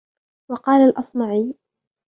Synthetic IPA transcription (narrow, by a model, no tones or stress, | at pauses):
wɑqɑːlalʔɑsˤmɑʕiː